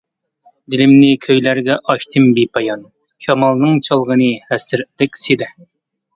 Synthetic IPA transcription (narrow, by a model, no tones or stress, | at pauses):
d̪ɪlɪmnɪkʲʰøjlæɾɡʲɛʔɑʃt̪ʰɨmbipʰɑjɑn | ʃɑmɑlˠnɨŋt͡ʃʰɑlˠʁənɨhæsɪɾd̪ɪkʲsed̪ɛ